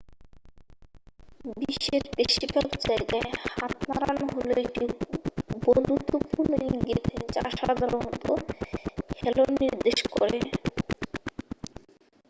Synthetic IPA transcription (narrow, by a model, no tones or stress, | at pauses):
biʃːeɾpeʃibaɡd͡ʑaeɡaehat̪naɾanɦoloek̚ʈi | bond̪ut̪opuɾnoiɡet̪ʰed͡ʑaʃad̪ʱaɾont̪o | heloniɾd̪eʃko̰ɾe